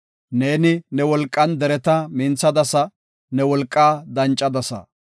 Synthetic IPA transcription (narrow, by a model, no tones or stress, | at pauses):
neːnɪnɛwɔlkʼːɐnd̪ɛɾɛt̪ɐmɪnt͡sːɐd̪ɐsɐ | nɛwɔlkʼːaːd̪ɐnt͡ʃʼːɐd̪ɐsɐ̰